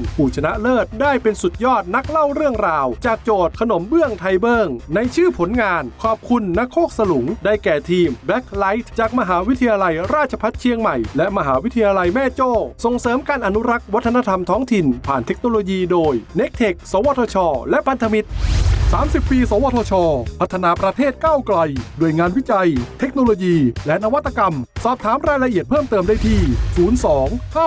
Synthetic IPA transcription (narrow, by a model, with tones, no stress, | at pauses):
npʰuː˨˩t͡ɕʰa˧na˦˥ʔlɤː˥˩t̪̚daː˥˩jpe˧nsu˨˩t̪̚jɔː˥˩t̪̚na˦˥k̚la˥˩wɾɯ˥˩əŋɾaː˧wt͡ɕaː˨˩k̚t͡ɕoː˨˩t̪̚kʰa˧no˨˩˦mbɯ˥˩əŋt̪ʰa˧jbɤː˥˩ŋna˧jt͡ɕʰɯː˥˩pʰo˨˩˦nŋaː˧nkʰɔː˨˩p̚kʰu˧nːa˦˥kʰːoː˥˩k̚sa˧lu˩˦ŋda˥˩jkɛː˨˩t̪ʰiː˧mbɛ˦˥k̚ʰla˦˥jt̪̚ʰt͡ɕaː˨˩k̚ma˧ɦaː˩˦wi˦˥t̪ʰi˧jaː˧la˧jɾaː˥˩t̪̚t͡ɕʰa˧pʰa˦˥t̪̚t͡ɕʰi˧əŋma˨˩jlɛ˦˥ʔma˧ɦaː˩˦wi˦˥t̪ʰi˧jaː˧la˧jmɛː˥˩t͡ɕoː˥˩so˨˩ŋsɤː˨˦mkaː˧nʔa˧nu˦˥ɾa˦˥k̚wa˦˥t̪ʰːa˧na˦˥t̪ʰa˧mt̪ʰɔː˦˥ŋt̪ʰi˨˩npʰaː˨˩nt̪ʰe˦˥k̚noː˧loː˧jiː˧doː˧jne˦˥k̚t̪ʰe˨˩k̚soː˩˦wɔː˧t̪ʰoː˧t͡ɕʰɔː˧lɛ˦˥ʔpʰa˧nt̪ʰa˧mi˦˥t̪̚saː˩˦msi˨˩pːiː˧soː˨˦wɔː˧t̪ʰːt͡ɕʰɔː˧pʰa˦˥t̪ʰːa˧naː˧pɾa˧t̪ʰeː˥˩t̪̚kaː˥˩wkla˧jdu˧˩əjŋaː˧nwi˦˥t͡ɕa˧jt̪ʰe˦˥k̚noː˧loː˧jiː˧lɛ˦˥na˧wa˦˥t̪ʰːa˧ka˧msɔː˨˩p̚t̪ʰaː˨˦mɾaː˧jla˧ʔi˨˩ət̪̚pʰɤː˥˩mt̪ɤː˧mdaː˥˩jt̪ʰiː˧˩suː˩˦nsɔː˩˦ŋkʰaː˥˩